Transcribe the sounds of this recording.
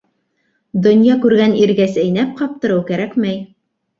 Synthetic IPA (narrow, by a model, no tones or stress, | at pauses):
d̪ŏnjɑkʉɾɡæniɾɡæsɘjnæp̚qɑp̚t̪ɤ̆ɾɤwkæɾækmæj